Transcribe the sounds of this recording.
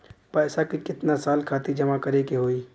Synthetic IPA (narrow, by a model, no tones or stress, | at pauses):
pɛːsakikɪt̪nasaːlkʰaːt̪id͡ʒɐmakɐɾeːkeɦoːiː